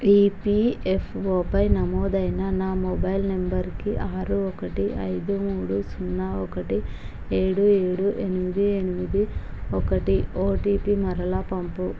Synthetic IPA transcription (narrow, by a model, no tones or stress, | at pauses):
iːpiepʰʋopɐjnɐmɔːd̪ɐjnɐnaːmɔbɐjlnembɐɾkiʔaːɾuɔkɐʈiɐ̰jd̪umuːɽusunːaːɔkɐʈi | eːɽueːɽuʔenimid̪ienimid̪i | ɔkɐʈioːʈiːpimɐɾɐlapɐmpu